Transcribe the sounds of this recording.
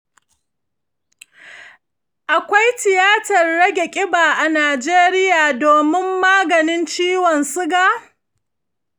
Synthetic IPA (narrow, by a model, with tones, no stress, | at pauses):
ʔa˨kʷa˦jtɪ˨jaː˦tɐ˨rːɐ˦ɡʲe˨kʲʼɪ˦baː˨ʔa˨naː˨d͡ʒeː˦ɾɪ˦jaː˨doː˨mɪ˦mːaː˦ɡɐ˨nɪ˦nt͡ʃiː˦wɔ˨nsʊ˦ɡa˦